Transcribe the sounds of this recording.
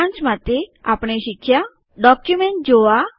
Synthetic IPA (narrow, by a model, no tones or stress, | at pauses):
ãnt͡ʃmat̪eapɽ̃eʃikʰːja | ɖɔkjumeɳʈ̚d͡ʒoa